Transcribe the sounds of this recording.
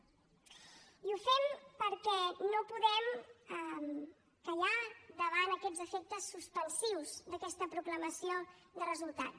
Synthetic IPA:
iufɛmpəɾkɛnopuðɛməm | kəʎad̪əβanəkɛd͡zzəfek̚t̪əsːuspənsiwzd̪əkɛst̪əpɾukləməsioðərəzulˠt̪a̰t̪

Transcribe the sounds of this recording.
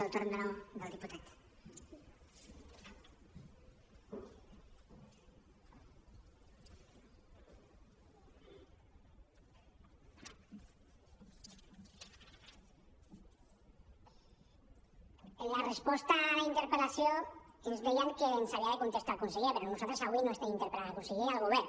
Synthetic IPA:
awt̪oɾnd̪anoðawðiput̪at̪ | enlarespost̪aint̪eɾpelasjoezβejaŋkeːnsaljaðekont̪e̞st̪oalkonseɣepeɾonosot̪ɾesaɣwinoest̪eint̪eɾpelaðakonseɣialɣoβe

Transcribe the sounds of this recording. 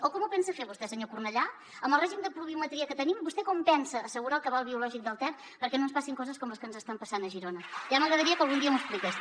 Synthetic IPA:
okɔmupɛnsəfeɾβust̪ɛsəɲokurnəʎa | əmbəlrɛʒimd̪əpɾuβiumət̪ɾiəkət̪ənimbust̪ɛkɔmpɛnsəːsəɣuɾaəlˠkəβalˠβiulɔʒik̚d̪əlˠt̪ɛ | pəɾkɛnoənspasiŋkɔzəskɔmləskənzəst̪ampəsanəʒiɾonəʒaməɣɾəðəɾiəkəlˠɣund̪iəmuəsplikes

